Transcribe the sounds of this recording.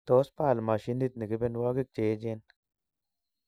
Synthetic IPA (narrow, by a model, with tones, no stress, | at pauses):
t̪o˨˦spa˦˨lma˨ʃi˦ni˦t̪̚ni˨ɡi˦be˦˧nwa˦ɡi˦k̚t͡ʃe˨˦d͡ʒe˦n